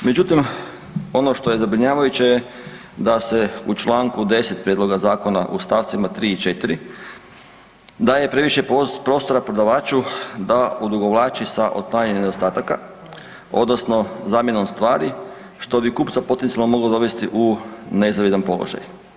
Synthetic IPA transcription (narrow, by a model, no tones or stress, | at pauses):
me̞d͡ʑut̪im | o̞no̞ʃt̪o̞jezabɾiɲaːʋajut͡ɕeje | d̪ase̞ut͡ʃlˠaːŋkud̪e̞set̪pɾje̞d̪lˠo̞ɡazaːko̞naʔust̪aːʋt̪simat̪ɾiːt͡ʃe̞t̪iɾi | d̪aje̞pɾe̞ʋiʃepɾo̞ːst̪o̞ɾapɾod̪aʋaːt͡ʃud̪aud̪uɡo̞ʋlˠaːt͡ʃisaʔod̪laːɲemnned̪o̞st̪aːt̪aka̰ | o̞̰d̪no̞sno̞zaːmjenonst̪ʋaːɾi | ʃt̪o̞bikuːpt̪sapo̞t̪ent̪ialnomo̞ɡlad̪o̞ʋe̞st̪iʔunezaʋid̪anpo̞lˠo̰ʒa̰j